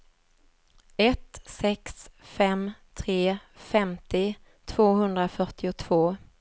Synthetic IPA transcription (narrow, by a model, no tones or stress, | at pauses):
ɛt̪sɛksfɛmt̪ʰɾeːfɛmt̪ɪ | t̪ʰv̥oːɦɵnd̪ɾafœʈɪʊt̪ʰv̥oː